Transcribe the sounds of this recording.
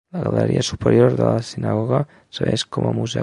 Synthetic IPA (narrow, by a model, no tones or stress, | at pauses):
laɣaləɾḭʔasupəɾjoɾðəlasinaɣoɣa | səβeskomʔəmuzɛ